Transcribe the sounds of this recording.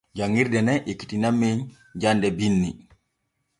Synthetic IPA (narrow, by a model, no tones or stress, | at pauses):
d͡ʒaŋːiɾdɛnɛʔekːi̥tinamːeɲ | d͡ʒandɛbinːi